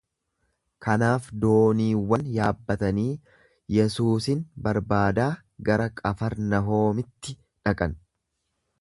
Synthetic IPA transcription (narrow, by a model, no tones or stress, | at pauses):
kɐnaːfd̪o̞ːniːwːɐnjaːbːɐt̪ɐniː | jɛsuːsɪnbɐɾbaːd̪aː | ɡɐɾɐkʼɐfɐɾnɐɦo̞ːmɪt̪ːɪ | ᶑɐkʼɐn